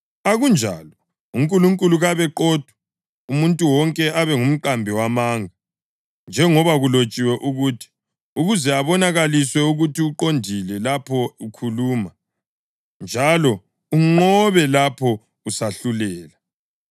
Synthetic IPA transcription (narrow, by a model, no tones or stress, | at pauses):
aɣund͡ʒʱa̰lɔ | uŋkʼuluŋkʼuluɣaβɛǃɔd̥ʱwɛ | umuntʼuwɔŋkʼɛʔaβɛŋum̩ǃambʱiwamaŋa | nd͡ʒʱɛŋɔβaɣulot͡ʃʼiwɛʔuɣuːtʰi̥ | uɣuzɛaβɔnaɣaliswɛuɣutiuǃondʱilɛlapʰɔukʰuluːma | nd͡ʒʱalɔ | uŋ͡ǃɔβɛlapʰɔ | usaɬulɛːla